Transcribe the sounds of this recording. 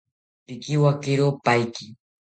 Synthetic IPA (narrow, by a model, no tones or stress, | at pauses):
pɪkɪwakɪɾopajkɪ